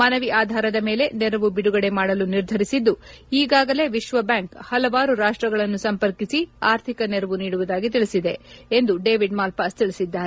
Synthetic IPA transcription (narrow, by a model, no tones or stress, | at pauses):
mɐnɐʋiʔaːd̪ʱaːɾɐd̪ɐme̞ːle̞nɛɾɐʋubiɽuɡɐɽe̞maːɽɐluniɾd̪ʱɐɾisid̪ːu | iːɡaːɡɐle̞ʋiʃʋɐbjaːŋkhɐlɐʋaːɾuɾaːʂʈɾɐɡɐɭɐnːusɐmpɐɾkisiaːɾt̪ʰikɐnɛɾɐʋuniːɽuʋud̪aːɡit̪̬iɭisid̪e̞end̪uɖeːʋiɖmaːlpaːst̪iɭisid̪ːaːɾe